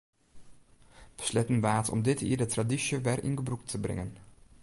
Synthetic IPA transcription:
b̥ə̥slɛtənbaːtɔ̰mdɪtḭːdətradiʃəʋɛrʔɪ̰nɡəbruk̚tʰəbrɪ̰ŋən

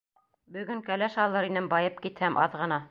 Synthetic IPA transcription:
bɵ̆ɡɵŋkælæʃɑlˠːɤɾinɘmbɑjɤp̚kit̪hæmʔɑ̰ðʁɤ̆nɑ

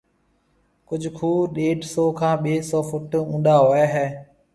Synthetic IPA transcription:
kʊd͡ʒʱkʰuːɗeːɖsɔːkʰãːɓeːsɔːfʊʈũːnd̪aːɦʊeːɦɛː

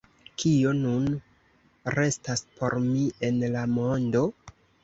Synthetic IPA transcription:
kʰionun | ɾe̞staspo̞̰ɾmie̞nlamo̞ndo̞

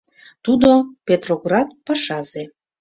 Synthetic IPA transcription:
t̪ud̪opʲet̪roɡrɑt̪̚pɑʃɑze

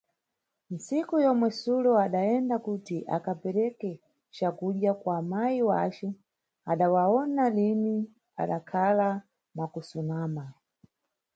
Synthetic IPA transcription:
n̩sikujɔmwɛsulɔaɗaɛndakutiʔa̰kapɛɾɛkɛ | t͡ʃakuɗjakwamajiwat͡ʃɛ | aɗawaɔnalimi | a̰ɗakʰala | makusunaːma

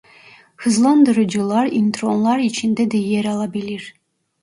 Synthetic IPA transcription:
hɯzlˠɑnd̪ɯɾud͡ʒulˠɑɾint̪ronlˠɑɾit͡ʃʰind̪ed̪ejeɾɑlˠɑbilʲiɾ

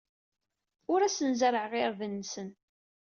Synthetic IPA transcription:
ʊɾæsənzəɾəʕʁɪɾvənːsən

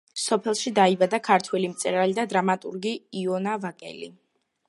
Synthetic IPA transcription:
sɔpʰɛlˠʃid̪aibad̪akʰaɾt̪ʰwɛlimt̪sʼɛɾalid̪ad̪ɾamat̪ʼṵɾɡiːɔnavakʼɛ̰lḭ

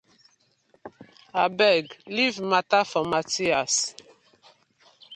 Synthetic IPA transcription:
abɛɡlivmatafɔmatias

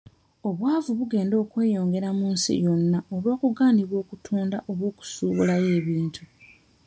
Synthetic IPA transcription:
o̞βwaːvuβuɡe̞ːndo̞ːkwe̞ːjo̞ːŋɡe̞ɾamuːnsḭjo̞nːaoβo̞ːkuɡaːndiβwo̞ːkutʰuːndaʔo̞βwo̞ːku̥suːβulaje̞ːβiːntʰu

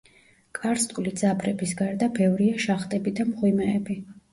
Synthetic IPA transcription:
kʼaɾst̪ʼlid̪z̥apʰɾɛbisɡaɾd̪abɛvɾiaʃaχt̪ʼɛbid̪amχwimɛːbi

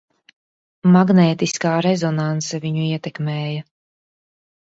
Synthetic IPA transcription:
maɡnɛːt̪iskaːɾezɔnansaviɲuiɛt̪ɛkmeːjɐ

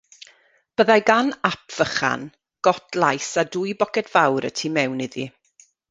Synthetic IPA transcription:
b̥əðajɡanapʰv̥əχa̰n | ɡ̥ɔtʰlˠajsadʊjbɔkɛdv̥awɾə̰tʰiːmɛwnɪði

